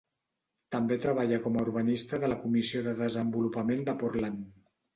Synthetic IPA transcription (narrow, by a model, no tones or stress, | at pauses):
t̪əmbet̪ɾəβ̞aʎəkɔmauɾβənist̪əðələkumisioðəðəzəmbulupəmend̪əpurlan